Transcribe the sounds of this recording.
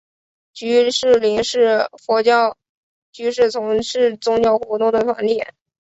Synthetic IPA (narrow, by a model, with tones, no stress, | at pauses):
t͡ɕy˧˥ʂɻ̩˥˩li˧˥ŋʂɻ̩˥˩xwɔ˧˥t͡ɕɑ˥ | t͡ɕy˧˥ʂɻ̩˥˩t͡sʰʊ˧˥ŋʂɻ̩˥˩t͡sʊ˥ŋt͡ɕjɑ˥˩ʊxwɔ˧˥t̪ʊ˥˧ŋd̪ə˩fa̰˧˥nljɛ˥˩